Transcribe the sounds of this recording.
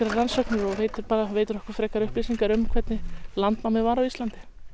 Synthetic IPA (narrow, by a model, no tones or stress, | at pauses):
ɾaransɔwknɪɾɔveːjt̪ɪpaːɾavejt̪ʏɾɔhkvʏɾ̥fɾɛːkaɾʏhplisiŋkaɾʏmkʰv̥ɛt̪nɪlant̪mawmɪvaːɾawist̪lant̪ɪ̥